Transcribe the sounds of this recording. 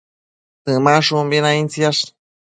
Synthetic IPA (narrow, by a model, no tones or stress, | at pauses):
t̪ɨmaʂumbinaint͡sjaʂ